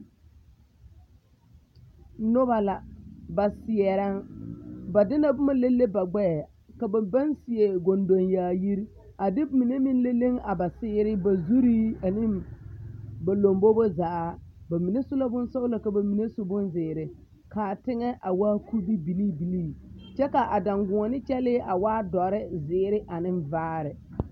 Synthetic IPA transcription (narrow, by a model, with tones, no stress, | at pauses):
nʊ˦ba˨la˨ba˨sɪ˨ɛ˨ɾa˦ŋ | ba˨dɪ˦na˨bʊ˦ma˨le˦lːe˦ba˨ɡ͡bɛ˦˨ | ka˨ba˨ba˦nsɪ˨ɛ˨ɡo˨ndo˨njaː˨ji˦ɾ | a˨dɪ˦mi˨ne˦mɪ˦n˦le˦le˦ŋa˨ba˨sɪː˦ɾɪ˦ba˨zu˦ɾiː˦a˨nɪ˦m | ba˨lo˨mbo˦bo˦za˨˦a˦ | ba˨mi˨ne˦sʊ˦la˦bʊ˦nso˦ʊ˦la˨ka˨ba˨mi˨ne˦sʊ˦bʊ˦nzɪː˨ɾɪ˨ | ka˨tɪ˦ŋɛ˦ʔa˨waː˦ku˦bi˦bi˨li˦bi˨liː˦t͡ʃɛ˦ka˨ʔa˨da˨ŋɡʊ̃˨ɔ˨nɪ˦t͡ʃɛ˦lɪ˦ʔa˨waː˦dɔ˨ɾɪ˦zɪː˨˦ɾɪ˦ʔa˨nɪ˦nvaː˦ɾɪ˨